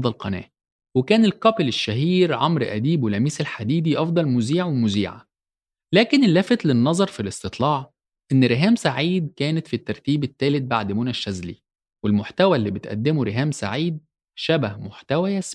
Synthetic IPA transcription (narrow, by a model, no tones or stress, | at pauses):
d̪ˤɑlqɑnæ̰ːʔ | wekæːnelkɑpleʃːæɦiːɾʕomɾʔæ̰d̪iːbwelæmiːselħad̪iːd̪iʔɑfd̪ˤɑlmuziːʕwemʊziːʕa̰ | læːkenelːæːfet̪lenːɑzˤɑɾˤfilest̪et̪ˤlɑːʕ | ʔenːɾeɦæːmsaʕiːd̪̚kæːnet̪fit̪ːɑɾˤt̪iːbet̪ːæːlet̪̚baʕd̪muːnæʃːæzlḭ | welmoħt̪æwælːiːbet̪ʔæ̰d̪ːemuɾeɦæːmsa̰ʕiːd̪̚ | ʃæbæhmoħt̪æwæjæs